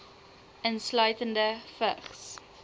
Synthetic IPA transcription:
ənslœɥtəndəfəχs

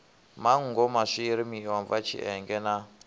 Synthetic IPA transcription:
maŋ̩ŋɡɔmaʂiɾimiwaɱvat͡ʃʰḭʔɛŋɡɛna

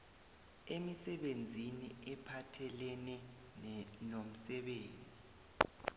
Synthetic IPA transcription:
emisɛɓend͡zʱiniɛpʰatʰɛlɛnɛ | nom̩sɛɓeːnd͡zʱi

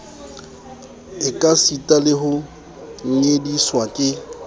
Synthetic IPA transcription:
ɪkʼasitʼalɪɦʊ | ŋ̩ŋediswakʼɪ

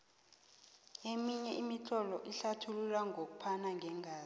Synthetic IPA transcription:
emiɲɛimit͡ɬʰɔlɔʔiɬatʰululaŋʱok̬u̥pʰanaŋʱɛŋʱaː

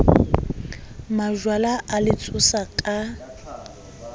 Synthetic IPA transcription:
maʒwalaʔalɪt͡sʼʊsakʼa

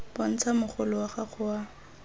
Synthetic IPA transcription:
bɔn̩t͡sʰamʊχʊlʊwaχaχʊwa

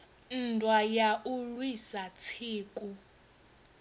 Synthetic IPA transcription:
n̩tʼwajaʔulwisat͡sʰiːkʼu

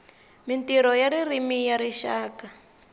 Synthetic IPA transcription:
mintiɾɔjaɾirimijaɾiʃaːka

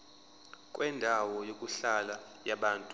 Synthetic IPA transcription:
kʼwʔɛndʱawɔjokʼuɬala | jaɓaːntʼu

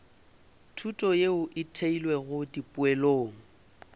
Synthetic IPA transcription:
tʰutʼɔjeʊʔɪtʰeilwɛɣʊdipʼʊɛloːŋ̩

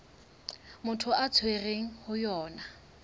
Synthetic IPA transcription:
mʊtʰʊʔat͡sʰwereŋ̩hʊjɔːna

